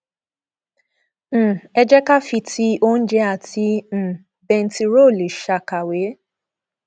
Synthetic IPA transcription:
m̩˨ɛ˧d͡ʒɛ˦ka˦fi˧tʰi˦ʔo˦n̩˦d͡ʒɛ˦a˦˨tĩ˧˦˨ | bɛ̃˧n̩˦ti˧ɾo˦˨li˨ʃa˨ka˨we˨˦

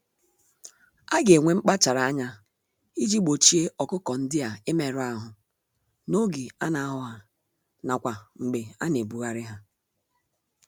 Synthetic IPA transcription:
a˦ɡe˨ŋʷe˨ŋ͡m̩˦k͡pa˦t͡ʃa˨ɾa˨a˦ɲa˦ | i˦d͡ʒi˦ɡ͡bo˨t͡ʃi˦e˦ʔɔ˨kʊ˦kɔ˨n̩˦dɪ˦a˨ɪ˦me˦˨ɾʊ˦a˦ɦʊ˨ | no˦ɡi˨a̰˦na˨a˦ɦʊ˦ɦa˨ | na˨kʷa˨ŋ͡m̩˨ɡ͡be˨a̰˦ne˨bu˨ɣa˦ɾɪ˦ɦa˦

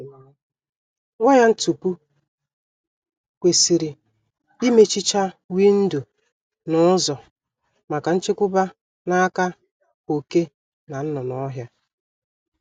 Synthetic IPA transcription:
ŋʷɔ˦ja˦n̩˦tu˨pu˦ | kʷe˨si˨ɾi˨ | i˦me˦t͡ʃi˦t͡ʃa˦wi˦n̩˦du˨ | nɔ˦zɔ˨ | ma˨ka˨n̩˦t͡ʃe˦kʷʊ˦ba˦ | na˦ka˦ | o˨ke˦ | na˨n̩˦nɔ˨nɔ˦ɦja˦

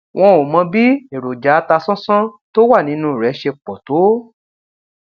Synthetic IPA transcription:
w̃ɔ̃˧o˨mɔ̃˧bi˦e˨ɾo˨d͡ʒa˨˦ta˧sɔ̃˦sã˦to˦wa˦˨nĩ˨˦nũː˦˨ɾɛ˨˦ʃe˧k͡pɔ˨to˨˦

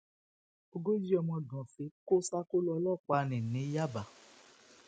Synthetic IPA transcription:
o˧ɡo˦d͡ʒi˦ɔ˧mɔ̃˧dɔ̃˨fi˨˦ko˦sa˦ko˦lɔ˧˦lɔ˦˨k͡pa˨˧nĩ˨nĩ˨˦ja˦˨ba˨

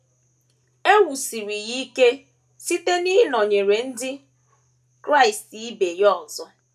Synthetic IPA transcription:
e˦wu˨si˨ɾi˨ɣi˦ke˦ | si˦te˦ni˦nɔ˨ɲe˨ɾe˨n̩˦dɪ˦ | kɾa˦˨ɪ˨sti˦be˨jɔ˦˨zɔ˦

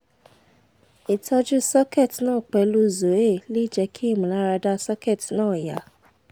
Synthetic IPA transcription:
i˨tʰɔ˧d͡ʒu˦sɔ˦ke˦˨tnãː˦˨k͡pɛ˨˧lu˦˨zo˨˦e˦˨le˦i˦˨d͡ʒɛ˧kʰi˦i˦˨mũ˨la˦ɾa˧da˦sɔ˦ke˦˨tnãː˦˨ja̰˨

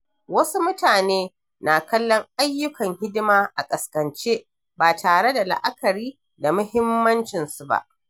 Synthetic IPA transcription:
wɐ˦su˦mʊ˦taː˨neː˦ | na˨kɐ˦lːɔ˦ŋʔa˦jːʊ˦kʰɐ˨ŋhɪ˦dɪ˦maː˦ʔa˨kʼɐ˨skɐ˨nt͡ʃeː˦ | baː˨tʰaː˨ɽe˦da˨la̰˨ʔa˦kɐ˨ɾiː˦ | da˨mʊ˦hɪ˦mːɐ˦nt͡ʃɪ˨nsu˨ba̰˦˨ʔ

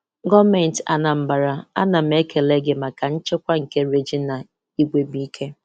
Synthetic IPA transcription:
ɡɔ˦me˨n˨ta̰˨na˨m̩˦ba˨ɾa˨a̰˦na˨m̩˦e˦ke˨le˦ɡɪ˦ma˨ka˨n̩˦t͡ʃɪ˦kʷa˦ŋ̩˨ke˦ɾe˦d͡ʒi˦na˨ | i˦ɡʷe˨bi˦i˦kʰe˦

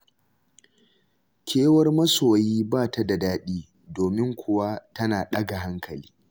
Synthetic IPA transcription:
kʰʲeː˦wɐ˦rmɐ˦soː˨jiː˦baː˦˨ta˦da˨daː˦ɗiː˦ | doː˨mɪ˦ŋkʷʰʊ˨wa˦tɐ˦naː˨ɗɐ˦ɡa˨ɦa˦ŋkʰɐ˨liː˦

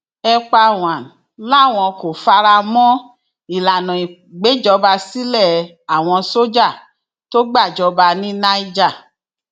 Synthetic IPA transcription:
ɛ˧k͡pa˧˨w̃ã˨ | la˦˨w̃ɔ̃˧ko˨fa˧ɾa˧mɔ̃˦ | i˨la˨nɔ̃˨i˨ | ɡ͡be˨˦d͡ʒɔ˧ba˧si˦lɛ˦˨ | a˨w̃ɔ̃˧so˦d͡ʒa˦˨ | to˦ɡ͡ba˦˨d͡ʒɔ˧˦ba˧nĩ˦nã˦i˦d͡ʒa˦˨

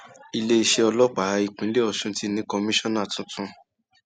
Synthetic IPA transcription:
i˧le˦i˧ʃe˧ɔ˧lɔ˦k͡pa˨a˨˧i˨k͡pĩ˨˦le˦ɔ˧˨ʃũ˦ti˦˧nĩ˨˦kɔ˧mĩ˦ʃɔ̃˦nã˦˨tũ˧˦tũ˧

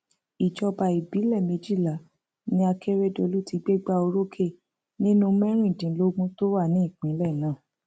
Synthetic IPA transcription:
i˨d͡ʒɔ˧ba˨i˨bi˨˦lɛ˦˨me˨˧d͡ʒi˦˨la˨˦ | nĩ˧˦a˧kʰe˦ɾe˦˨do˧lu˦ti˧ɡ͡be˦ɡ͡ba˦o˧ɾo˦kʰe˦˨ | nĩ˦nũ˧˦mɛ̃˦ɾ̃ĩ˦˨dĩ˨˦lo˦ɡũ˦to˦wa˦˨nĩ˨˦i˦˨k͡pĩ˨˦lɛ˦˨nã˦˨

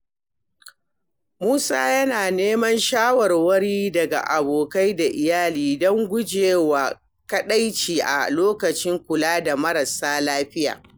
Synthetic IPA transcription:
muː˦sa̰ː˦jɐ˦naː˨neː˦mɐ˦nʃaː˦wɐ˨rwɐ˦ɽiː˦dɐ˨ɡa̰˨ʔa˨boː˨ka˦jda˨ʔɪ˨jaː˦liː˨dɔ˦ŋɡʷʊ˦d͡ʒeː˨wa˨ | kɐ˦ɗa˦jt͡ʃiː˨ʔa̰˨loː˦kɐ˨t͡ʃɪ˦ŋkʷʊ˨laː˦da˨mɐ˦ɾɐ˨saː˦laː˦ɸɪ˦ja̰ː˨

